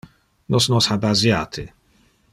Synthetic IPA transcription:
nɔsnɔsħabazjaːt̪ʰɪ̰

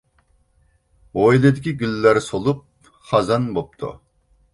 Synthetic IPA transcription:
ojlˠed̪ɪkʲʰiɡʲylːæɾsolˠup̚ | χɑzɑnbop̚t̪ʰṵ

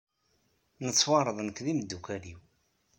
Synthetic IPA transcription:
nət͡sːwɑɾˤəðˤənəkðimd̪ːukæliw

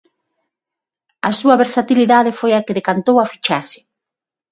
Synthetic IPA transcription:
asuɐβeɾsat̪iliðaðefojakeðekant̪owafi̥t͡ʃasɪ̥

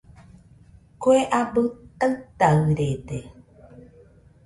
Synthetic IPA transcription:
koeʔabɨt̪aɨt̪aɨɾed̪e

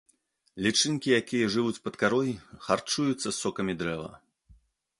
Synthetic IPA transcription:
lʲit͡ʂɨnʲkʲijakʲijɐʐɨvut͡sʲpɐt̪kaɾɔjxart͡ʂujut̪sːɐsɔkɐmʲid̪ɾɛvɐ̰

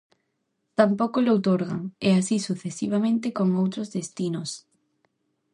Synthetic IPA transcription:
t̪ampokolowt̪oɾɣa̰ŋeasisuθesiβ̞amẽnt̪ɪkoŋowt̪ɾozðest̪inos

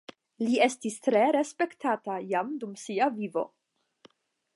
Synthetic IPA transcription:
lie̞stistɾe̞ɾe̞spe̞ktatajamdumsiavivo̞̰

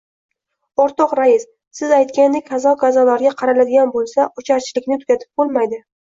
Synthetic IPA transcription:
ɒɾt̪ʰɒqɾaɪs | sɪzajt̪kʲanːɪkʲʰazɒɡazɒlaɾɡʲaqʰɑɾalad̪ɪɡʲanbolˠsaʊt͡ʃʰaɾt͡ʃʰɪlɪkʲnɪt̪ʰʊ̥kʲat̪ʰɪ̥p̚bolˠmajd̪ɪ

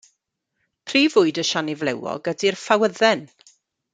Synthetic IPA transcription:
pʰriːvʊɨdəʃanɪvlɛwɔ̰ɡədirfawəðɛn

